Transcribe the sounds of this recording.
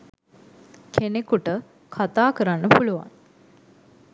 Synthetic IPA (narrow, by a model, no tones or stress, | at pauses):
kʰenekuʈə | kʰat̪aːkəɾanːəpuluʋa̰n